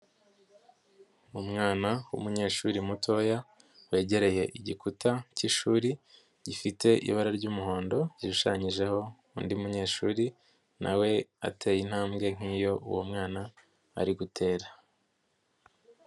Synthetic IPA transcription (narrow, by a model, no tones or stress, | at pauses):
umŋaːnawṵmuɲe̞ːʃuːɾimutʰo̞ja | we̞ːɟe̞ɾe̞je̞ʔiɟikutaciʃuːɾi | ɟifite̞ʔḭβaɾaɾɟuːmuɦo̞ːndo̞ɟiʃuʃaɲiʒe̞ho̞ | undiumuɲe̞ːʃuːɾi | nʔa̰we̞a̰tʰe̞jin̥haːmɡe̞ŋ̥iːjo̞ṵwomŋaːna | a̰ɾiɡutʰe̞ːɾa